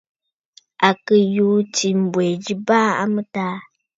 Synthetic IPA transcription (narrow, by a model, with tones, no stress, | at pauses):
a˨kə˨ju˦ti˨m̩˨bɛ˨d͡ʒi˦ba˦a̰˦mɨ˦taː˦